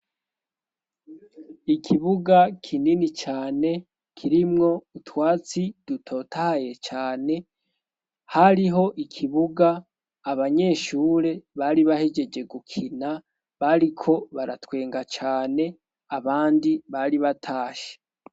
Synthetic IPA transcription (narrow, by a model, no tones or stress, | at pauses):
ikʰiβuɡakʰininit͡ʃaːne̞ | kʰiɾimŋo̞utwaːt͡sidutʰo̞ːtʰaje̞t͡ʃaːne̞ | haɾiɦo̞ʔikʰiβuɡaː | βaɲe̞ːʃuːɾe̞βaɾiβahe̞d͡ʒe̞d͡ʒe̞ɡukʰina | βaɾikʰo̞βaɾatwe̞ːŋɡat͡ʃaːne̞ | aβaːndiβaɾiβatʰaːʃe̥